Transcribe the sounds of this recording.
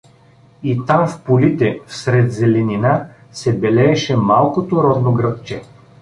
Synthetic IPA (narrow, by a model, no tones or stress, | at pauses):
it̪amfpolit̪ɛfsɾɛt̪zɛlɛnina | sɛbɛlɛːʃɛmalˠkot̪oɾɔd̪noɡɾɤpt͡ʃɛ